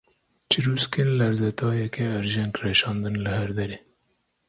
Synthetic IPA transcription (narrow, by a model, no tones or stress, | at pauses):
t͡ʃʰɨɾuːskenlɛɾzɛt̪ʰɑːjɛkɛːɾʒɛŋkrɛʃɑːnd̪ɨnlɨhæɾd̪ɛɾeː